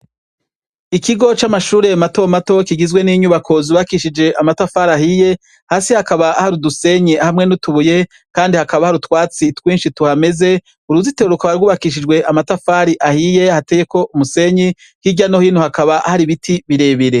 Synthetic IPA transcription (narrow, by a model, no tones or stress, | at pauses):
ikiɡo̞t͡ʃamaʃuːɾe̞mato̞mato̞kiɡizɡwe̞niːɲuβakʰo̞zuβakiʃid͡ʒe̞ʔamatafaɾaɦije̞ | haːsihakaβaahaɾuduse̞ɲihamŋe̞nutuβuje̞ | kaːndihakaβahaɾutwaːt͡sitwiːnʃituhame̞ze̞ | uɾuziteɾukaβaɾɡuːβakiʃ̬id͡ʒɡwe̞ʔamatafaɾiʔahije̞hateje̞ko̞ʔumuse̞ɲi | hiɟano̞hiːnuhakaβaʔahaɾiβitʰiβiɾe̞ːβiɾe̞